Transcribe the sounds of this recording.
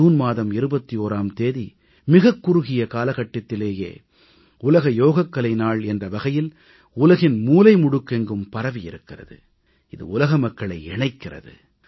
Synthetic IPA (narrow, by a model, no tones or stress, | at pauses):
uːnmaːðɐmɪɾɯbɐt̪ːioːɾaːmt̪eːði | mɪɣɐkːʊɾʊɣɪjɐkaːlɐɣɐʈːɐt̪ːɪleːjḛː | ʊlɐɣɐjoːɣɐkːɐlɐɪnaːɭɛndrɐʋɐɣɐjɪl | ʊlɐɣɪnmuːlɐɪmʊɽɯkːɛŋɡɯmpɐɾɐʋijɪɾɯkːɪrɐ̰ðɯ̰ | ɪðɯ̰ʊlɐɣɐmɐkːɐɭɐɪɛɳɐɪkːɪrɐ̰ðɯ̰